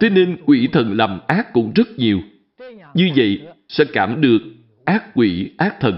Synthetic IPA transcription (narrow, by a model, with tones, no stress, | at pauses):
t̪e˨˦ne˧nkwi˧˩t̪ʰə˨˩nla˨˩mʔaː˦˥kːʊ̰˧˥ŋ͡mzə˦˥t̚ɲi˨˩əw | ɲɨ˧və̰˧˨jsɛ̰˧˥kaː˧˩mɗɨ˨˩ək̚ | ʔaː˦˥k̚ːwi˧˩ʔaː˦˥k̚t̪ʰə˨˩n